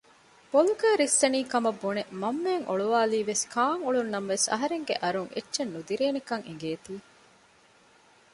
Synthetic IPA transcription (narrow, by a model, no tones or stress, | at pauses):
b̥olukæːɾist̪ɐniːkɐmɐbːonemɐmːeːŋʔo̰ɭuʋaːliːʋeskʰaːŋoɭunːɐmʋesɐ̰ɦɐɾeŋɡḛʔɐɾuŋʔḛtːʃenːud̪iɾeːnekɐŋeŋɡeːt̪iː